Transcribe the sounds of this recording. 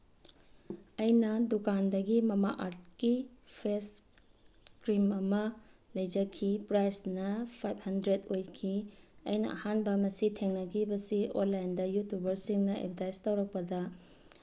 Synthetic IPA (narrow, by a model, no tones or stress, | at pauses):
ɐjnɐdukandɐɡimɐma̰ʔaɾt̚kipʰes | kɾimɐmɐlɐjd͡ʒɐkʰːipɾajsnɐpʰajb̚hɐndɾedojkʰiɐ̰jnɐ̰ʔɐ̰hanbɐmɐsitʰeŋnɐɡibɐsionlːajndɐjutubɐɾsiŋnɐḛp̚ʰdajstɐwɾɐk̚pɐdɐ